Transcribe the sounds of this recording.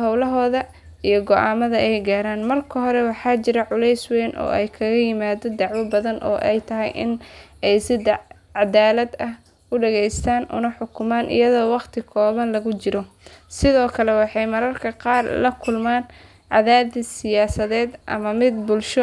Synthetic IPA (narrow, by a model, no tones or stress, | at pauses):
ɦɔwlɐɦɔːðɐ | ijɔɡɔʔaːmɐðɐʔɛjɡaːɾaːnmɐrkʰɐɦɔɾɛwɑħɑːt͡ʃɪɾɐʕʊlɛjswɛːnʔɔ̰ːɛjkʰɐɣɐjɪmaːd̪ɔd̪ɑʕwɔbɐðɐnʔɔ̰ːʔɛ̰jt̪ʰɐɦɛjʔɪ̰nɛjsɪd̪ | ʕɑd̪aːlɐd̪ɐh | ʊɖɐɣɛjst̪ʰaːnʔʊ̰nɐħʊkʰʊmaːnʔɪ̰jɐðɔːwɑqt̪ʰɪkʰɔːβɐnlɐɣʊt͡ʃɪɾɔsɪðɔːkʰɐlɛwɑħɑjmɐɾɐrkʰɐqɑːrlɐkʰʊlmaːn | ʕɑðaːðɪsɪjaːsɐðɛːd̪ʔɐ̰mɐmɪd̪bʊlʃɔ